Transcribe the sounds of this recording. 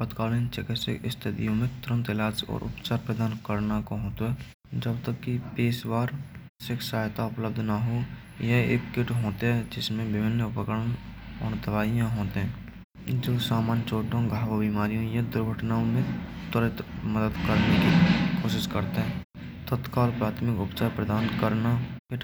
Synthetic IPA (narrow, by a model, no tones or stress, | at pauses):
pət̪kaːlɪnt͡ʃɪkɪtsḛkɪst̪ʰɪt̪ijõmẽt̪ʊɾə̃nt̪ɪlaːd͡ʒɔ̰ːɾʔʊ̰pt͡ʃaːɾpɾəd̪aːnkəɾnakoɦoːt̪oɦɛ | d͡ʒəbt̪əkːipeːswaːɾ | sɪkʰsaːjt̪aʊpləb̚d̪ʱnaɦo | jəḛːkkɪʈɦoːt̪eɦɛd͡ʒɪsmẽbɪbʱɪnːəʊpəkəɽənɔ̰ːɾd̪əʋaːijãɦoːt̪eɦɛ̃ː | d͡ʒoːsaːmaːnt͡ʃoːʈõɡʱaːʋabimaːɾijõjɐd̪ʊɾɡʱəʈnaːõmẽt̪əɾət̪məd̪əd̪kəɾnekikʰoːʃɪʃkəɾt̪eɦɛ̃ː | t̪ət̪kaɔlɾpɾaːt̪ʰmɪkʊpt͡ʃaːɾpɾəd̪aːnkəɾnakɪʈ